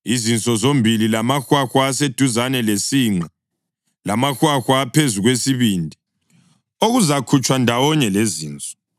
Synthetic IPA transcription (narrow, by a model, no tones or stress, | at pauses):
izint͡sʼɔzombʱililamaxwaxwaːsed̥ʱuzanɛlesiːŋ͡ǀa | lamaxwaxwaːpʰezuɣwesiβiːndʱi | oɣuzakʰut͡ʃʼwandʱawɔɲɛleziːnt͡sʼɔ̥